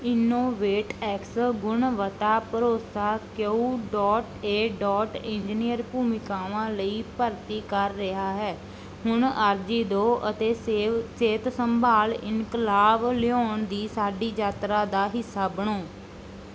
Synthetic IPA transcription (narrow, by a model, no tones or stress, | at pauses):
ɪnoːʋeːʈɛːksɡʊɳʋət̪aːpəɾoːsaːkeuːɖɔːʈeːɖɔːʈɪ̃ɲd͡ʒnijəɾpuːmɪkaːʋãːləiːpəɾt̪iːkəɾːɪɦaːɦɛː | hʊɳaːɾd͡ʒiːd̪oːʔət̪eːseːt̪səmbʱaːlɪ̰nkəlaːblɪoːɳd̪iːsaːɖiːd͡ʒaːt̪ɾaːd̪aːɦɪsːaːbəɳ̃oː